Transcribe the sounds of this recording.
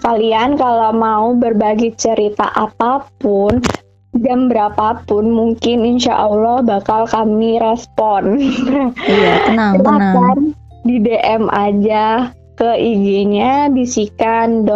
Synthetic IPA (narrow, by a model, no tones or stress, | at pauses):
kaliankalawmaubərbaɡet͡ʃəɾit̪a̰ʔapapʊn | d͡ʒambəɾapapʊnmuŋkɪninʃa̰ʔɔlɔhbakalkamiɾɛspɔn | naəakan | dideʔɛmʔa̰d͡ʒa | kəʔiɡeɲadisikandɔ